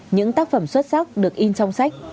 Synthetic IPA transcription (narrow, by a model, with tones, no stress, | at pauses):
ɲɨ̰˧˥ŋt̪aː˦˥k̚fə˧˩mswə˦˥t̚sa˦˥wk͡p̚ɗɨ˨˩ək̚ʔi˧nt͡ɕɔ˧wŋ͡msa˦˥jk̟̚